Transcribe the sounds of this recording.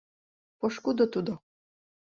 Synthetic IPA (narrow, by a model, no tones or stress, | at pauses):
poʃkud̪ot̪ud̪o